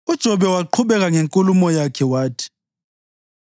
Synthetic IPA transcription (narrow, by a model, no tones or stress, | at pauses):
ud̥ʒ̥ʱɔβɛwaǃʰuβɛɣaŋeŋkʼulumɔjakʰɛwaːtʰi̥